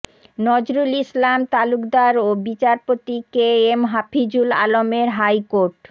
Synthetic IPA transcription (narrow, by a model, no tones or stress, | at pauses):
nɔd͡ʑɾulislamt̪alukd̪aɾobit͡ɕaɾpot̪ikeemɦapʰid͡ʑula̰lomeɾɦajkoɾʈ